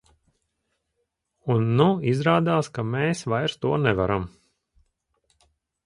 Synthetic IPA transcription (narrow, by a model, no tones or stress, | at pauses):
unːuizɾaːd̪aːskameːsvajɾst̪uɔnɛvaɾam